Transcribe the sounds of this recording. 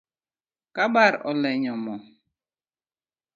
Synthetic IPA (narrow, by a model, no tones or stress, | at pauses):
kaɓaɾɔ̰lɛɲɔmɔ